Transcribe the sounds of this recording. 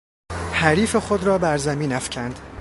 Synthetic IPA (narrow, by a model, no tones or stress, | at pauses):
hæɾiːfe̞χod̪ɾɒːbæɾzæmiːnæfcʰænd̪̥